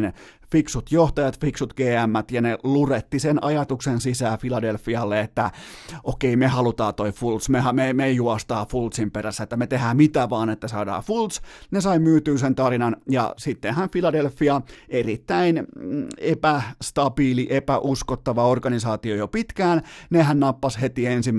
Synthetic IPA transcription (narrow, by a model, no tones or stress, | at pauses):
n | fiksut̪joht̪ɑjɑt̪fiksut̪ɡ̥eːæmːæt̪jɑneluret̪ːisenʔɑjɑt̪uksensisæːfilɑdelfːiɑlːeet̪ːæokeimehɑlut̪ɑːt̪oifult̪smehɑmemejuɑst̪ɑːfult̪simperæsːæet̪ːæmet̪ehæːmit̪æʋɑːnet̪ːæsɑːdɑ̰ːfult̪snesɑimyːt̪yːsent̪ɑrinɑnjɑ̰sit̪ːenhænfilɑdelfːiɑerit̪ːæinepæst̪ɑbiːliʔepæʔuskot̪ːɑʋɑorɡɑnisɑːt̪iojopit̪kæːnnehænnɑpːɑshet̪iensim